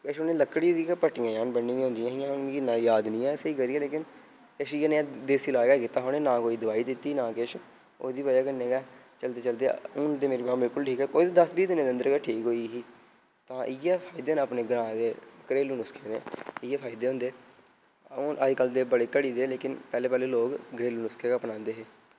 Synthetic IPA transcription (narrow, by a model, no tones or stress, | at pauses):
kɪʃʊnẽːləkːɽiːɾiːaːpəʈɪjãːjãːnbənːĩːɡːɦʊ̃nd̪ɪjãːjãːnkiːnãːjaːd̪nĩːɛ̃ːseiːɡəɾiːaːleːkɪn | kɪʃiːaːnẽːd̪eːsiːlaːɡaːkɪt̪ːaːɦoːnẽːnãːkoːiːd̪əʋaːiːd̪ɪt̪ːiːnãːkɪʃ | o̰ːd̪iːbəaːkənːẽːɡɛː | t͡ʃəlt̪eːt͡ʃəld̪ḛʊnd̪eːmeːɾibaːbɪlkʊlʈʰiːkɦɛːkoːit̪ːd̪əsbiːd̪ɪnːeːd̪ɪə̃nd̪əɾɡɛːʈʰiːkɦoːiːɦiː | t̪ãːʔɪjɛːpʰaːɪd̪eːnãːəpneːɡɾãːd̪eːkəɾeːluːnʊskʰeːnḛːɪjɛːpʰaːɪd̪eːɦʊ̃nd̪eː | ʊʔəd͡ʒkəld̪eːbəɽeːkəɽiːd̪eːleːkɪnpɛːleːpɛːleːloːɡɡɾeːluːnʊskʰeːkapnãːnd̪eːɦeː